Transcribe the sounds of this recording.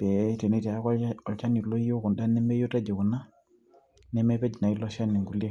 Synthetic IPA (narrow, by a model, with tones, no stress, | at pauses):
b̥ɛ˨te˨ne˦ti˨a˨˦kɔ˦ɔ˨lt͡ʃa˦ni˨lɔ˦jo˦ku˨nda˦nɛ˦mɛ˦jo˦ta˦d͡ʒe˨ku˨na˦ | nɛ˦mɛ˦pɛ˦d͡ʒi˨na˨i˦lɔ˦ʃa˦ni˨ŋɡu˨li˦e˦